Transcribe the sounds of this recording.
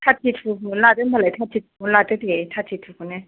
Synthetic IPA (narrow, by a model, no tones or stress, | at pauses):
tʰatʰitʰumʊn̩latɛm̩balatʰatʰitʰu̥mun̩latɛtetʰatʰitʰukunɛ